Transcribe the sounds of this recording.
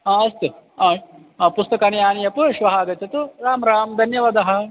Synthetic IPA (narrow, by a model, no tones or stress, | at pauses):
aːɐst̪uaː | pust̪ɐkɐnjaːnijɐpuʃʋɐɦaːɡɐt͡ʃːɐt̪uɾaːmɾaːmd̪ʱɐnjɐʋɐd̪ɐɦɐ̆